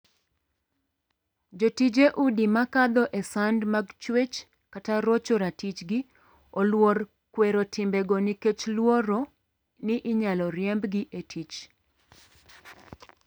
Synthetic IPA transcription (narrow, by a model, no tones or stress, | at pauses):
d͡ʒotid͡ʒeʔudimakad̪ɔʔɛsandmaɡt͡ʃwet͡ʃ | kataɾot͡ʃoɾatit͡ʃɡɪ | olwor | kweɾotɪmbɛɡɔniket͡ʃlwoɾo | nɪʔɪɲalɔɾjɛmbɡɪʔetʰit͡ʃ